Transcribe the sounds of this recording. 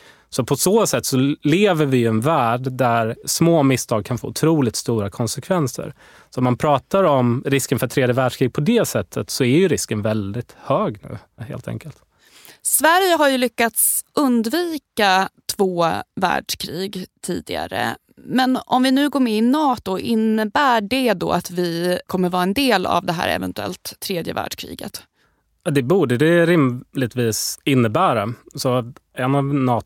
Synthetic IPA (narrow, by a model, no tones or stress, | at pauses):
sɔpʰɔsoːsɛt̪ːsɔleːvəɾvɪjɵɛnvæːɖdæɾsmoːmɪst̪ʰɑːɡ̚kʰanfo̰ːʊt̪ʰɾuːlɪk̚t̪st̪uːɾakʰɔnsɛkʰvɛnsə̰ɾ | sɔmanpʰɾɑːt̪aɾɔmɾɪskənfœʈ̪ʰɾeːd̪jəvæɖʂkʰɾiːɡ̚pʰɔd̪ɛsɛt̪ʰːət̪sɔæɾjɵɾɪskənvɛld̪ɪt̪høːɡnʉ̟̰ː | hḛːlt̪ʰɛ̰ŋkəlt̪ | svæɾjəɦaɾjɵlʏkːat̪sɵnd̪viːkat̪ʰvoːvæ̰ːɖʂkʰɾiːɡt̪ʰḭːd̪ɪɡa̰ɾə̰ | mɛnʔɔmvɪnʉ̟ːɡoːɾmɛɪnɑːt̪ʊʔɪnːəbæːɖɛd̪o̰ːat̪vɪkʰɔmːəɾvɑːɾaɛnd̪eːla̰vd̪ɛɦæ̰ːɾɛ̰vɛ̰nt̪ɵɛ̰lt̪ʰːɾeːd̪jə̰væ̰ːɖ̥ʂkʰɾḭːɡə̰t̪ | ad̪ɛbuːɖəd̪ɛɾɪmlɪt̪viːsɪnːəbæːɾasɔɛnavnɑː